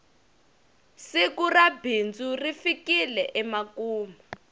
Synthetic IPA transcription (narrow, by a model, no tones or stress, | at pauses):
sikurabʱind͡zurifikilɛʔɛmakuːma